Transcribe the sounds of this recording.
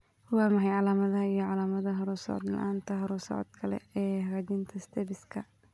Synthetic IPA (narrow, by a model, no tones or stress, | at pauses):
wɑːmɐɦɛjʕɑlaːmɐðɐijɞʕɑlaːmɐðɐɦɐɾuːsɔ̰ʕɔd̪lɐ̰ʔaːnt̪ʰɐɦɐɾusɔ̰ʕɔ̰d̪kʰɐlɛ̰ɛːhɾaːd͡ʒɪnt̪ʰɐst̪ʰɛbɪskʰɐ